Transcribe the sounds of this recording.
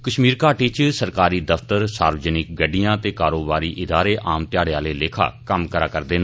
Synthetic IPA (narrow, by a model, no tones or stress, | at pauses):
kəʃmiːɾkaːʈiːt͡ʃsəɾkaːɾiːd̪əft̪əɾsaːɾʋəd͡ʒənɪk̚ɡəɖijãːt̪eːkaːɾoːbaːɾiːʔɪd̪aːɾeːʔaːmt̪ɪjaːɽeaːleːleːkʰa̰ːkəmkəɾaːkəɾd̪eːn